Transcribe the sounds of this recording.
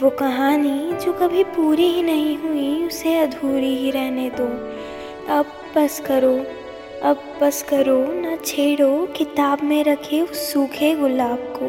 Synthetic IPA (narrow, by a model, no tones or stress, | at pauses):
ʋoːkɐɦaːnid͡ʒoːkɐbʱipuːɾiɦinɐɦĩɦuiʊseɐd̪ʱuːɾiɦiɾɛɦned̪oː | ɐb̚ | bɐskɐɾo | ɐbːɐskɐɾonɐt͡ʃʰeːɽokɪt̪aːbmẽɾɐkʰeʊsuːkʰeɣʊlaːb̚koː